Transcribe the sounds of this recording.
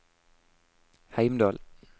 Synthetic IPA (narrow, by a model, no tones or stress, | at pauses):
hæɪmd̪ɑːl